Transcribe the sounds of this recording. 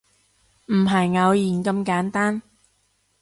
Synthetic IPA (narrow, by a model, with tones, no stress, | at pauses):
m̩˨˩ɦɐ˨˩jŋɐ˨˧wjiː˨˩nkɐ˧mkaː˨˥nt̪aː˥n